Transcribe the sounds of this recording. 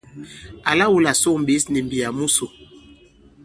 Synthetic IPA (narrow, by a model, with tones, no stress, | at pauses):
a˨la˦wu˦la˨so˦˨m˨bi˨˦sni˨mbi˨ja˨mu˦so˨